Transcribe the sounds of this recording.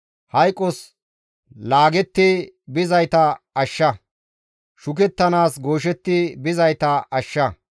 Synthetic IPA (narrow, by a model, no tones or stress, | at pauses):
hɐjkʼːɔs | laːɡɛt̪ːi | bɪzɐjt̪ɐɐʃːɐ | ʃʊk̬ɛt̪ːɐnaːsɡoːʃ̬ɛt̪ːibɪzɐjt̪ɐɐʃːɐ